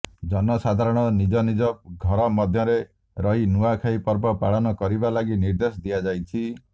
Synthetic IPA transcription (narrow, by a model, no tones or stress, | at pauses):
d͡ʒɔnɔsad̪ʱaɾɔɽ̃ɔnid͡ʒɔnid͡ʒɔɡʱɔɾɔmɔd̪ʱjɔɾe | ɾɔɦinuakʰaipɔɾbɔpaɽɔnɔkɔɾibalaɡiniɾd̪esɔd̪ijad͡ʒajt͡ʃʰi